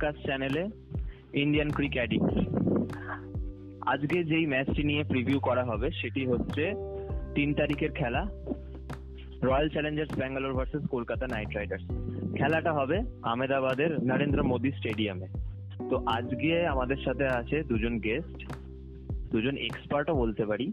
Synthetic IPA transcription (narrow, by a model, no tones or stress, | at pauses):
kasʈt͡ɕɛnele | inɖijankɾikɛɖiks | a̰d͡ʑɡed͡ʑejmɛt͡ɕʈinijepɾibʱjukɔɾaɦɔbeʃeʈiɦotːɕʰet̪int̪aɾikeɾkʰɛla | ɾɔjalt͡ɕɛleɲd͡ʑeɾsbɛŋɡaloɾbʱʌɾseskolkat̪anajʈɾajɖaɾskʰɛlaʈaɦɔbeamed̪abad̪eɾnəɾend̪ɾomod̪isʈeɖiame | t̪oʔad͡ʑɡeamad̪eɾʃat̪ʰeat͡ɕʰed̪ud͡ʑonɡesʈ | d̪ud͡ʑonḛkspaɾʈobolt̪epaɽi